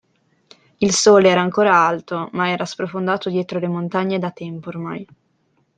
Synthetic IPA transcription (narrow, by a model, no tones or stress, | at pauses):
ilsoːleɛːɾaːŋkoːɾaalt̪omaɛːɾaspɾofond̪aːt̪od̪jɛːt̪ɾolemont̪aɲːed̪at̪ɛmpoːrma̰j